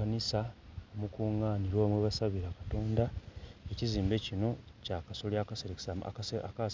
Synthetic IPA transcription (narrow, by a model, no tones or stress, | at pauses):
anisaomukuːŋaːniɾwoːmweβasaβiɾakḁto̞ːndae̞ciziːmbe̞cino̞cakasoliakse | ka